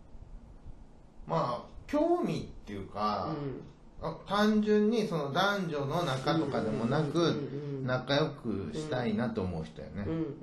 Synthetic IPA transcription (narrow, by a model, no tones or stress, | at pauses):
maːkʲo̞ːmʲit̪ːe̞jɯ̟ːka | at̪ãɲd͡ʑɨ̃ɲ̟ːiso̞no̞d̪ãɲd͡ʑo̞no̞nakat̪o̞kad̪e̞mo̞nakɯ̟nakajo̞kɯ̟̰ɕi̥t̪ainat̪o̞ːmo̞ɯ̟çi̥t̪o̞̰jo̰ne